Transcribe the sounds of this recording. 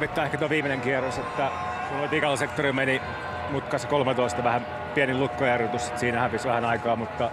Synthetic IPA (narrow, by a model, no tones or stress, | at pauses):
ʋit̪ːɑːehkæt̪uoʋiːmeneŋkiɛroset̪ːæ | kunot̪ikɑlːsekt̪orimeni | mut̪kɑskolmet̪oist̪ɑʋæhæm | piæniluk̪ːojærot̪usse̥t̪siːnæhæpisʋæhænɑikɑːmut̪ːɑ